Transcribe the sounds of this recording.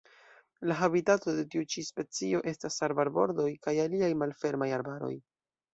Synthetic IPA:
laɦabitato̞de̞tiut͡ʃispe̞t͡sio̞ʔe̞stasaɾbaɾbo̞ɾdo̞jkajaliajmalfe̞ɾmajaɾbaɾo̞̰j

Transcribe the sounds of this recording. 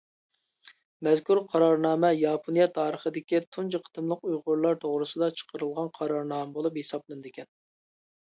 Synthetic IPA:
mɛzkʰuɾqʰɑɾɑɾnɑːmɛjɑːpʰonijɑt̪ʰɑːɾəχəd̪ɪkʲit̪ʰunt͡ʃəqʰə̥t̪ɨmlˠəqujʁʊɾlˠɑɾt̪ʰoʁɾɨsɨd̪ɑt͡ʃʰə̥qʰəɾɨlˠʁɑnqʰɑɾɑɾnɑːmɛbolˠuphesɑblˠɨnd̪ɪkʲʰɛn

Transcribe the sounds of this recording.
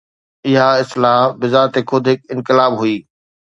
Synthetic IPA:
ɪɦaɪslaːɦbɪzaːt̪ekʰʊd̪ʱɦɪkɪ̃nkɪlaːbɦuiː

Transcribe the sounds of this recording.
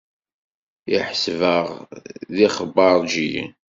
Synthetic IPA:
iħsvəʁðiχəbɑɾˤʒijḭn

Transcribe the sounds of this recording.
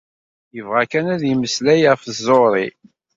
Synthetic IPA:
jəvʁækænæðjiməslæjʁəfəzːoɾˤḭ

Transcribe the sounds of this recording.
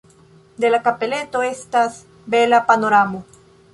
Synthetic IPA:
d̪elakapelet̪oest̪as | belapanoɾamo

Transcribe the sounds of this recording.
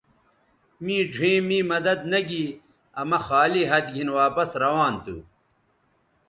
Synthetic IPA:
mĩːd͡ʑʱẽːmĩːmɐd̪ɐd̪̚nɐɡiː | ɐmɐxaːliɦɐd̪ɡʱinwaːpɐsɾɐwaːnt̪ṵ

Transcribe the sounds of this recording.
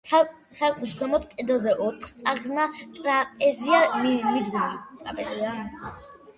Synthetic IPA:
sa | saɾkʼmiskʰwɛmɔt̪̚kʼɛd̪azɛʔɔt̪ʰχst̪sʼaʁnat̪ʼɾapʼɛziamimid̪t̪ʼɾa̰pʼɛzia

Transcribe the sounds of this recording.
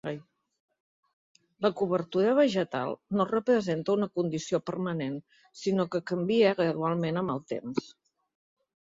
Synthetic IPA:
j | ləkuβəɾt̪uɾəβ̞əʒət̪a̰lˠnorəpɾəzent̪əunəkund̪isiopərmənen | sinokəkəmbiəɣɾəðualˠmenəməlˠt̪ḛms

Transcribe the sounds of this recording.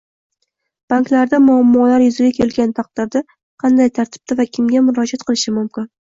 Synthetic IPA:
b̥aŋklaɾd̪amʊamːɒlaɾjʊzɪɡʲakʲʰe̞lɡʲant̪ʰɑq̚d̪ɪɾd̪a | qʰɑnd̪ajt̪ʰaɾt̪ʰɪ̥b̚t̪ʰavakʲʰɪmɡʲamʊɾɒd͡ʒat̪̚qʰɨlˠɪʃɪmʊmkʲɪn

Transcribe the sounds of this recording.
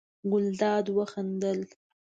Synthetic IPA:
ɡʊld̪ɑd̪wəxand̪əl

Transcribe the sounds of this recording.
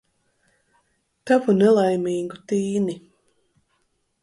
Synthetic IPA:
t̪avunɛlˠajmiːɡut̪iːni

